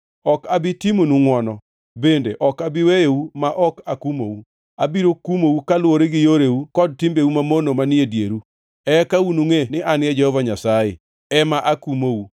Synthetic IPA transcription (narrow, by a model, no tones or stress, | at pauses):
ɔkabɪtimonuŋwɔnɔ | bendeʔɔkabɪwejeumaʔɔkakumo̰u | abiɾokumowukalwoɾeɡɪjoɾewukɔd̚timbeumamonomaniedjeɾu | ɛkaunuŋenɪʔanjɛd͡ʒɛhɔvaɲasajḛ | ɛmaʔakumou